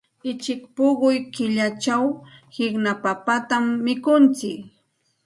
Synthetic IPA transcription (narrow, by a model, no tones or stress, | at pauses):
ɪt͡ʃɪkpoɢʊjkɪʎat͡ʃawhɪknapapat̪amːɪkʊnt͡sɪk